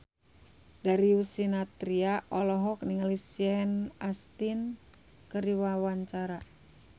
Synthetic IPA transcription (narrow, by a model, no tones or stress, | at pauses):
daɾiusinat̪ɾiaʔɔlɔɦɔk̚niŋalisiɛnast̪in | kəɾiwawaɲt͡ʃaɾa